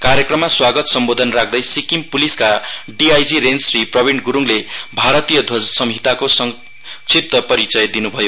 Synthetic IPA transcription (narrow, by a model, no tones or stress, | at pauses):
kaɾjʌkrʌmːaswaɡʌt̪sʌmbod̪ʱʌnrakʰd̪ʌjsikimpuliskaɖiajd͡ziɾensriprʌbʱiɳɡuɾuŋlebʱaɾʌt̪ijʌd̪ʱwʌsʌmɦit̪akosʌŋ | t͡sʰit̪ːʌpʌɾit͡sʌjd̪inubʱʌjo